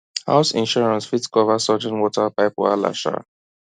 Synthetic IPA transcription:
ha̰ʊsĩnʃɔɹãnsfitkɔvasɔd͡ʒɛ̃nwɔtapaɪpɔa̰la̰ʃa̰

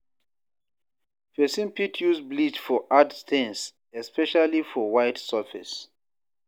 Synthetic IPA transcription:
fɛsĩmpitʰjusblit͡ʃfɔʔadstʰɛ̃ns | ɛspɛʃalifɔwaɪtsafɛ̰s

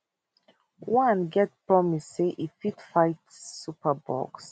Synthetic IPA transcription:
wãnɡɛt̚pɹɔmisːeʔifitfaɪt | supəbɔ̰ks

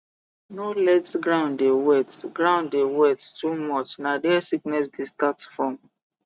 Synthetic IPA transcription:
nolɛdsɡɹãʊ̃ndewɛtɡɹãʊ̃ndewɛttumɔt͡ʃnadɛasiknɛs̬destatfɹɔ̃m

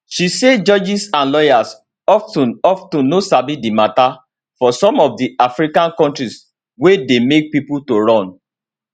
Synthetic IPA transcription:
ʃised͡ʒɔd͡ʒisãnlɔjas | ɔftɔ̃nɔftũnnosabidimata | fɔsɔ̃mɔfdiafɹikãnkɔ̃ntɹis | wedemek̚pipultoɹɔ̃n

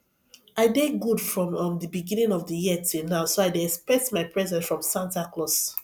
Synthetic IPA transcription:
aɪdeɡudfɹɔ̃mɔ̃mdəbiɡĩnĩŋɔvdəjiətʰunaʊsoaɪdeɛkspɹɛktmaɪpʰɹɛzɛ̃nsfɹɔ̃msãntaklɔs

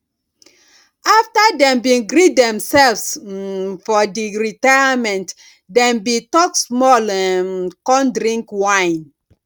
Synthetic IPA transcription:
aftadɛ̃mbĩnɡɹidɛ̃msɛlvs | fɔdiɹitaamɛ̃nt | dɛ̃mbitɔksmɔlɛkɔ̃ndɾĩŋkwãɪ̃n

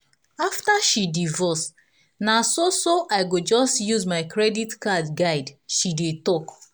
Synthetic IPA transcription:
aftaʃidivɔs | nasosoʔaɪɡod͡ʒɔstjuzmaɪkʰɹɛditkadɡaɪdʃidetɔk

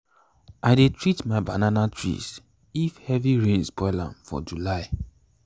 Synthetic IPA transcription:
adetɹitmaɪbananatʰɹḭs | ifhɛviɹẽnsbɔɪlã̰mfɔ̰d͡ʒulaɪ

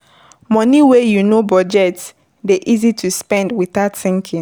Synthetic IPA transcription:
mɔniwejunobɔd͡ʒɛts | deʔizitʰuspɛ̃ndwiθaʊtθĩŋkʰĩ

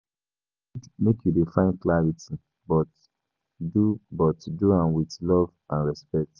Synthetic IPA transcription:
mekjudefãɪ̃nklaɹitʰi | bɔt | dubɔtduãnwitlɔvãnɹɛspɛk̚t

